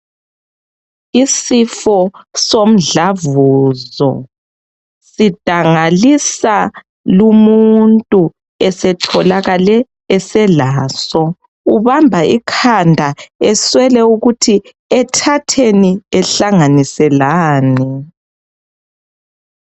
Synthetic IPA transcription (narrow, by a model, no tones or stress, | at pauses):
isifɔsom̩ɮavuːzɔ̰ | sid̥ʱaŋalisa | lumuntʼu | ɛsɛtʰɔlaɣalɛː | sɛlaːsɔ | uβambʱaʔikʰandʱaɛswɛlɛuɣutʰi | ɛtʰatʰeniɛɬaŋanisɛlaːnɛ